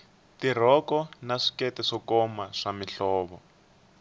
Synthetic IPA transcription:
tir̤ɔkɔnaʂi̥kɛtɛʂɔkɔmaʂamiɬɔːβɔ

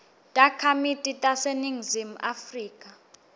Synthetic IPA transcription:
tʼakʰamitʼitʼaseniŋzimuʔafriːkʼa

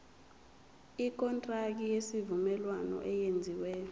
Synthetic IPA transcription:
ik̬ʼɔntʼrak̬ijesivumɛlwanɔ̰ʔɛjend͡zʱiwɛ

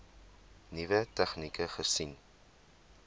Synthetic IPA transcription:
nivətɛχnikəχəsin

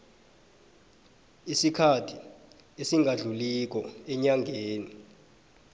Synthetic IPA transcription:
isikʰatʰi | esiŋʱaɮulik̬ɔɛɲaŋʱeːni

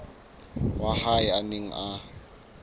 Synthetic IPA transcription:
wahaɪaneŋ̩ʔa

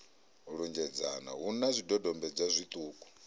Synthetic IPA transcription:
ɺund͡ʒɛd͡zana̰ɦunazʷidɔdɔmbɛb͡ʐazʷit̪ʼuːkʼu̥

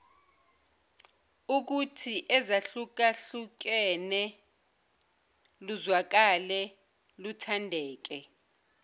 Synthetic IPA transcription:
uk̬utʰiʔɛzaɬuk̬aɬuk̬ɛnɛ | luzwak̬alɛ | lutʰandʱɛːk̬ɛ

